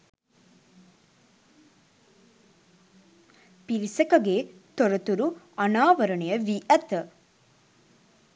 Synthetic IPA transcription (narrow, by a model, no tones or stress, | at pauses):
piɾisɐkɐɡet̪ɔɾɐt̪uɾu | ɐnaːʋɐɾɐɳejɐʋiʔɐt̪